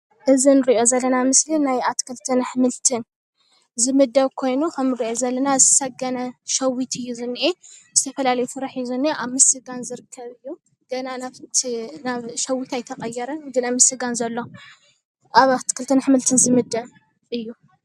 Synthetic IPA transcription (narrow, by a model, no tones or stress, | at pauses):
ʔɨzinɨɾiʔo̞zɐlːɐnamɨslinajat̪kʰɨlt̪ʰɨnħmɨlt̪ʰɨn | zɨmɨd̪ːɐβkʰo̞jnukʰɐmɨɾiʔozɐlːɐnazɨt̪ʰɐ̥sɐɡɐnɐʃɐwit̪ʰɨjːuzɨnːiʔezɨt̪ʰɐfɐlalɐjufɨɾaħijuzɨnːieʔaβmɨsɨɡanzɨɾɨkʰːɐβɨjːu | ɡ̥ɐnanaβt̪ʰnaβʃɐwːit̪ajt̪ʰɐqʼɐjːɛɾɐnd̪ɨnɐmɨsɨɡanzɐlːo̞ | ʔaβat̪ʰkʰɨlt̪ʰɨnħɨmɨlt̪ʰɨnzɨmɨd̪ːɐβ | ʔɨjːu